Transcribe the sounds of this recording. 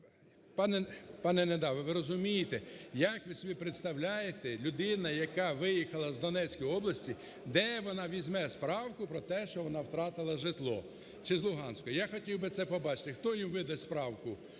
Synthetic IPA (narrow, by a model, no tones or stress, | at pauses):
pɑnɛpɑnɛned̪ɑʋɪʋɪɾɔzʊmʲijɪt̪ɛjɐkʋɪsɔbʲipɾet̪st̪ɐwlʲajet̪ɛlʲʊd̪ɪnɐjɐkɑʋɪjixɐlˠɐzd̪ɔnɛt͡sʲkɔjɔblˠɐsʲtʲi | d̪ɛʋɔnɑʋʲizʲmɛspɾɑwkʊpɾɔt̪ɛʃt͡ʃɔʋɔnɑwt̪ɾɑt̪ɪlˠɐʒɪt̪lˠɔ̰ | t͡ʃɪzlˠʊɦɑnsʲkɔɔjaxɔtʲiwbɪt̪sɛpɔbɑt͡ʃɪ̥t̪ɪxt̪ɔjimʋɪd̪ɐspɾɑwkʊ